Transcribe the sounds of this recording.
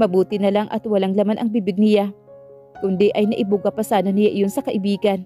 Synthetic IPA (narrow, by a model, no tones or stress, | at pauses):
mɐbuːt̪ɪnɐlaŋʔɐ̰t̪wɐlaŋlɐmanʔɐŋbibɪɡ̚nɪja | kʊnd̪ɛʔɐjnɐʔɪbʊɡapɐsaːnɐnɪjaʔɪjonsɐkɐʔɪbiːɡɐn